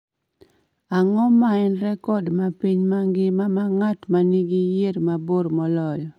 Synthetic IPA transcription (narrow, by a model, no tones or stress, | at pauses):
aŋɔmaɛnɾɛkɔdmapiɲmaŋɡɪmamaŋatmaniɡijeɾmaboɾmɔlɔjɔ